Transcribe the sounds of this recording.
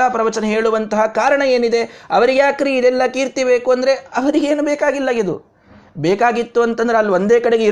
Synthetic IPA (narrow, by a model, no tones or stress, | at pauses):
aːpɾɐʋɐt͡ʃɐnɐɦeːɭuʋɐnt̪ɐɦɐkaːɾɐɳɐe̞ːnid̪e̞ɐʋɐɾiɡjaːkɾiid̪ɛlːɐkiːɾt̪ibe̞ːkuɐnd̪ɐɾe̞ɐʋɐɾiɡe̞ːnubɛːkaːɡilːɐɡid̪ṵ | beːkaːɡit̪ːuɐnt̪ɐnd̪ɐɾeɐlːiʋo̞nd̪eːkɐɽeɡei